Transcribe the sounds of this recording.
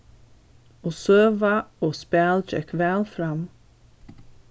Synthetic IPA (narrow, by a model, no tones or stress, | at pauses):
ɔːsøːvaoːspɛːld͡ʒɛ̰kvɛːlfɾam